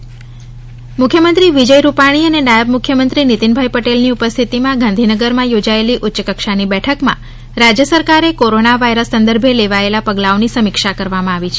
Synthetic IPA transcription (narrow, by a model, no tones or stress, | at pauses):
mʊkʰjəmənt̪ɾiʋid͡ʒəjɾupaɽ̃iənenajəbmʊkʰjəmənt̪ɾinit̪inbʱajpəʈelniupəst̪ʰit̪imãɡãnd̪ʱinəɡəɾmãjod͡ʒaeliʔʊtːʃəkəkʃanibɛʈʰəkmã̰ | ɾad͡ʒjəsəɾkaɾekoɾonaʋaiɾəsːənd̪əɾbʱeleʋaelapəɡlaonisəmɪkʃakəɾʋamãaʋit͡ʃʰe